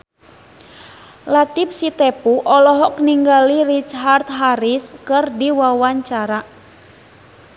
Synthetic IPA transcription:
lat̪ip̚sit̪ɛpuʔɔlɔɦɔkniŋɡalirit͡ʃɦart̪ɦaɾiskɨrdiwawaɲt͡ʃaɾa

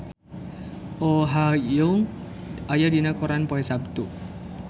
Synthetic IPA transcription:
oɦajuŋ | ajadinakɔɾanpɔɛsab̚t̪u

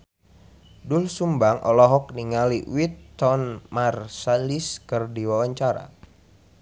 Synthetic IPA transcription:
dulsumbaŋʔɔ̰lɔɦɔk̚niŋaliwit̪ːɔnmarsaliskərdiwawaɲt͡ʃaɾa̰

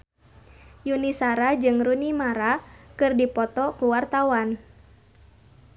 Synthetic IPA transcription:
junisaɾad͡ʒɨŋrunimaɾakɨrdipɔt̪ɔkuwart̪awan

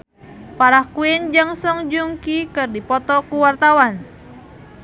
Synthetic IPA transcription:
paɾahkuɛnd͡ʒaŋsɔŋd͡ʒuŋkikɨrdipɔt̪ɔkuwart̪awan

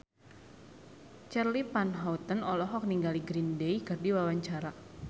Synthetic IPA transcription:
t͡ʃɛrlipanɦaut̪ənɔlɔɦɔk̚niŋɡaliɡɾindejkɨrdiwawaɲt͡ʃaɾa

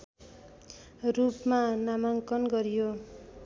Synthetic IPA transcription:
rupmanamaŋkʌnɡʌɾijo

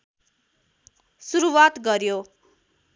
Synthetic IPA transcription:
suɾuwat̪ɡʌɾjo

